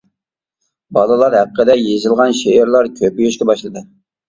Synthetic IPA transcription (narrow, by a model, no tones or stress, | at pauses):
bɑlˠɨlˠɑɾhæqːəd̪ɛjezɪlˠʁɑnʃeɪɾlˠɑɾkʲʰøpyjyʃkʲɛbɑʃlˠɨd̪ɨ